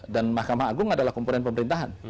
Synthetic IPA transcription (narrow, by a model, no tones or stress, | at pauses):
danmahkamaaɡʊŋadalahkɔmpunɛnpəməɾint̪aɦan